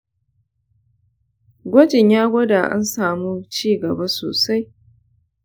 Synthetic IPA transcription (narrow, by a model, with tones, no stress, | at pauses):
ɡʷɔ˦d͡ʒɪ˨ɲjaː˦ɡʷɐ˦da˨ʔa̰˦nsaː˨mu˦t͡ʃiː˦˨ɡɐ˨ba˦so̰ː˨sa˦j